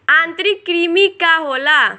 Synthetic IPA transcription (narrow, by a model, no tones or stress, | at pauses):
ãnt̪ɾikːɾimikːaɦola